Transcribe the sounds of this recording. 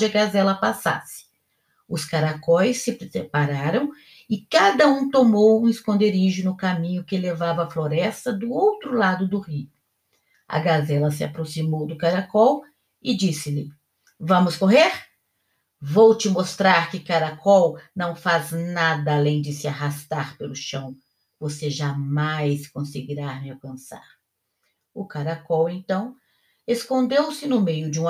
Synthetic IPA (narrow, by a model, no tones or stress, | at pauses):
d͡ʒɪɐkɡazɛlɐpasa̰sɪ̥ | ʊskaɾakɔjsːɪpɾesepaɾaɾɐ̃w̃ | ɪkad̪ɐũt̪omowũɪskõnd̪eɾiʒʊnʊkamĩɲʊkɪlevavɐːfloɾɛst̪ɐd̪ʊowt̪ɾʊlad̪ʊd̪ʊhiʊ | ɐ̰ɡazɛlɐs̬ɪa̰pɾosimowd̪ʊkaɾakɔw | ɪd͡ʒisɪlɪ | vɐ̃mʊskoɦeɾ | vowt͡ʃɪmost̪ɾaɾkɪkaɾakʰɔwnɐ̃w̃faznad̪ɐalẽj̃d͡ʒɪsɪaɦast̪aɾpelʊʃɐ̃w̃ | voseʒamajskõsɪɡiɾamɪawkɐ̃sa̰ɾ | ʊkaɾakɔwẽnt̪ɐ̃w̃ | eskõnd̪ewsɪnʊmejʊd͡ʒɪũ